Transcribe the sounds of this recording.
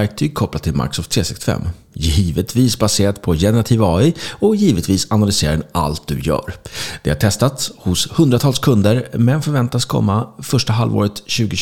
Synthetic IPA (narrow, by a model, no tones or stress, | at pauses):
ɾk̚t̪ʰyːɡ̚kʰɔplat̪ʰːɪlma̰ɾksɔft̪ʰɾeːsɪk̚t̪fɛ̰mː | jiːvət̪ʰviːsbaseːɾat̪pʰɔjɛnɛɾat̪ʰiːvɑːɪɔjiːvət̪viːsanalʏseːɾɪna̰lt̪̚d̪ɵ̰jœ̰ːɾd̪̥ɛhaʈʰɛst̪at̪shʊshɵnd̪ɾat̪ʰɑːlskʰɵnd̪əɾmɛnfœɾvɛnt̪askʰɔ̰mːafœʂʈaɦa̰lvo̰ːɾət̪ɕʉ̟ːɡʊ